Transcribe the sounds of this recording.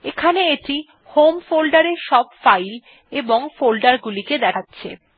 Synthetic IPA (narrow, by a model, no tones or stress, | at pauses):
ekʰaneeʈi | homfolɖaɾeɾʃɔb̚fajl | eboŋfolɖaɾɡuliked̪ɛkʰatːɕʰḛ